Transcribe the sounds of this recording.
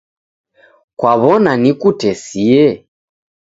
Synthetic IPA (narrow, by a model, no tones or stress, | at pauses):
kwaβɔnanikutɛsiɛ